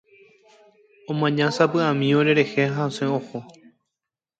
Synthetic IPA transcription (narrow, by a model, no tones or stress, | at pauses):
õmãɲãsapɨãmĩoɾe̞ɾe̞heɦaosẽoho